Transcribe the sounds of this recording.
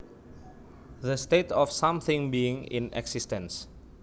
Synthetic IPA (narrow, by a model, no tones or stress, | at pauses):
ðəst̪et̪ɔfsãmθɪ̃ŋbiɪ̃ŋḭnɛ̰ɡsistə̃ns